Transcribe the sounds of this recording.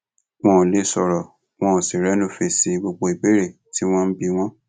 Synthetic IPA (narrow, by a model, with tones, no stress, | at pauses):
w̃ɔ̃˦˨le˦˨sɔ˨ɾɔ˨ | w̃ɔ̃˦˧˨si˨ɾɛ˨˦nũ˦fe˧˨si˧ɡ͡bo˧ɡ͡bo˧˦i˨bi˨˦ɾe˦˨ | ti˦w̃ɔ̃˦n̩˦bi˧w̃ɔ̃˦